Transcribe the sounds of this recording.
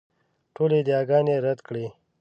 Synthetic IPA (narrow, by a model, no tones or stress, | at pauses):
ʈʰoled̪ijɑːɡɑːneɾad̪kɽi